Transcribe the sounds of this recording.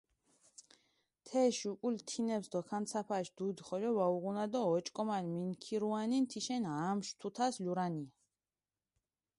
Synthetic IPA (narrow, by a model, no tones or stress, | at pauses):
t̪ʰɛʃukʼult̪ʰinɛpsd̪ɔkʰant̪sʰapʰaʃd̪̥ud̪χɔlɔvauʁunad̪ɔːt͡ʃʼkʼɔmalminkʰiɾuanint̪ʰiʃɛnamʃt̪ʰut̪ʰasluɾania